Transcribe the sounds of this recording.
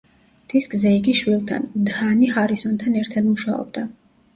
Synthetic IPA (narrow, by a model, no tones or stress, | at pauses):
d̪̥iskʼzɛiɡiʃwilˠt̪ʰa̰nd̪anihaɾisɔnt̪ʰanɛɾt̪ʰad̪muʃaɔ̰b̚d̪a